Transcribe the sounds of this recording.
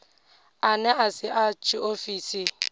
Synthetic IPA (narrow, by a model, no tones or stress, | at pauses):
anɛasɪʔat͡ʃʼiofiːsi